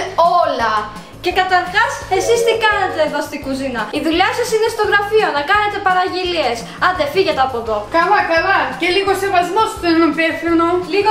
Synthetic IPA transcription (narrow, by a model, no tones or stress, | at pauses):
olɐ | ce̞kɐt̪ɐɾxɐse̞sist̪ikɐnet̪eðost̪ikuzinɐiðuʎɐsɐsinest̪o̞ɣɾɐfio̞nɐkɐne̞t̪e̞pɐɾɐʝelie̞s | ɐðefiʝet̪eɐpoðo̞kɐlɐkɐlɐceliɣose̞vɐzmo̞st̪enopefinoliɣo